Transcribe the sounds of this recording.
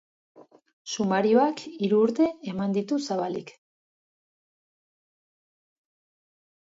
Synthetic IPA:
sumaɾioakiɾuːɾt̪e̞ːmand̪it̪usaβalḭk

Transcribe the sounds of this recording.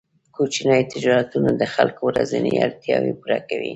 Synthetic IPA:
kot͡ʃnajt̪ɪd͡ʒɑɾat̪unad̪əxalkowɾazəneaɾt̪jɑwepuɾakawi

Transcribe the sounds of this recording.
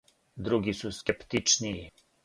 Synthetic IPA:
d̪ɾuɡisuskʲɛpt̪it͡ʃnii

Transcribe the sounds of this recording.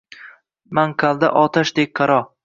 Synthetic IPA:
maŋqʰalˠd̪a̰ʔɒt̪ʰaʃd̪ek̚ʲqʰɑɾɒ

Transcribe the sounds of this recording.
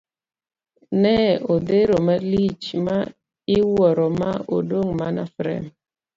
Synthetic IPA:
nɛodeɾomalit͡ʃma | ɪwɔɾɔma̰o̰doŋmana̰fɾɛ̰m

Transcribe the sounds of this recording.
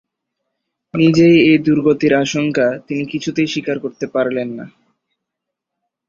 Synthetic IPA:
nid͡ʑejed̪uɾɡot̪iɾaʃoŋkat̪inikit͡ɕʰut̪ejʃikaɾkoɾt̪epaɾlenːa̰

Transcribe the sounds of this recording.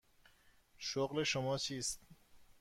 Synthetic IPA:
ʃoɣleʃomɒːt͡ʃʰiːst̪̚

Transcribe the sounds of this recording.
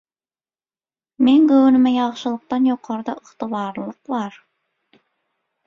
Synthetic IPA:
meŋkɵwnɪ̆mæjɑχʃɯlˠɤ̆q̚t̪ɑnjoqʰɑɾd̪ɑʔəχt̪ɨβɑɾlˠɤqbɑɾ

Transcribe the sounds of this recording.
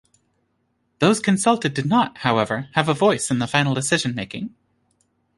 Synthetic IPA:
ðoʊz̥kʰɨ̃nsʌlˠtɨdɨdⁿnət̚haʊɛvə˞ɨvəvɔɪsɨ̃nðəfãɪ̃nl̩ˠdɨsɪʒɨ̃nmeɪkɪ̃ŋ

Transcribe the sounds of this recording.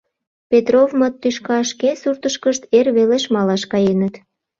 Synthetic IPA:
pʲet̪rovmət̪ːyʃkɑʃkesurt̪əʃkəʃt̪erβeleʃmɑlɑʃkɑjenət̪

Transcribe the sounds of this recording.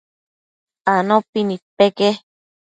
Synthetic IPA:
anõpinĩpeke

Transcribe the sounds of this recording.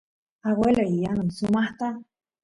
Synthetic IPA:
aweloijanunsumaht̪a

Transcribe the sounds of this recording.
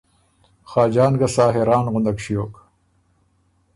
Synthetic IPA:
xaːd͡ʑaːnɡɐsaːɦeɾaːnɣʊnd̪ɐkɕijoːk

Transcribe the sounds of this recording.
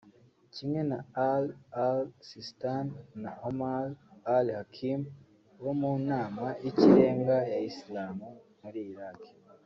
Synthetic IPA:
cimŋe̞naalalsistanːahomalalhakʰim | wo̞muːnaːmaʔiciɾe̞ːŋɡajaislaːmu | muɾiːɾake̥

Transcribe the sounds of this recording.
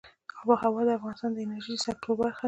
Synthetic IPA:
ɑwɑhawɑd̪əafɣɑnɪst̪ɑnd̪əɪnaɾʒijəsak̚t̪ʰobaɾxa

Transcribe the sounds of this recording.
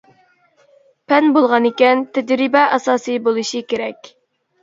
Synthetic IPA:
pʰɛnbolˠʁɑnɪkʲɛnt̪ʰɛd͡ʒɾɪbɛʔɛsɑːsɨjbolˠɨʃikʲeɾɛkʲ

